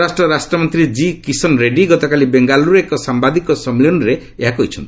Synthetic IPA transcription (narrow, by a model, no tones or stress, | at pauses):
asʈɾɔɾasʈɾɔmɔnt̪ɾid͡ʒikisɔnɾeɖiɡɔt̪ɔkalibeŋɡaluɾekɔsambad̪ikɔsɔmlɔnɔɾe | eɦakɔɦit͡ʃʰɔnt̪i